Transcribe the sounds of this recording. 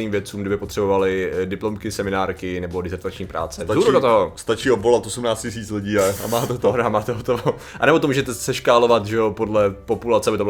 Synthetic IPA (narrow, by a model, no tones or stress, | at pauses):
niːmvjɛt̪t͡suːmɡdɪbɪpot̪r̥ɛbovalɪdɪplomkɪsɛmɪnaːɾkɪnɛbo̞dɪzɛɾt̪at͡ʃɲiːpɾa̰ːt͡sɛvhuːɾudot̪oɦost̪at͡ʃiːobvolat̪ʔosumnaːt͡scɪs̬iːt͡slɪɟiːaa̰maːt̪ɛt̪oɾamaːt̪ɛɦot̪oo | anɛbot̪omuːʒɛt̪ɛsɛʃkaːlovat̪ʒɛopodlɛpopulat͡sɛabɪt̪obl